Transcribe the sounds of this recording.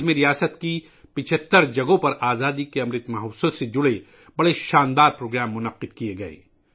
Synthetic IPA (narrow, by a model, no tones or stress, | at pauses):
mẽɾijaːsət̪ki | pɪt͡ʃʰət̪ːəɾd͡ʒɐɡõpɐɾaːzaːd̪ikeɐmɾɪt̪mɐɦɐwsəsed͡ʒʊɽe | bɐɽeʃaːnd̪aːɾpɾoːɡɾaːmːʊnɐqːɪd̪̚kieɡɐḛː